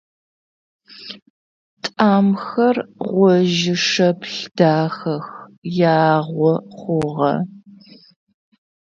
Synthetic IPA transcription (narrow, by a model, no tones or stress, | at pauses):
tʼaːmxɐrʁʷɔʒɪʂɐpɬd̥aːxɐxjaːʁʷɔχʷʊʁɐ̰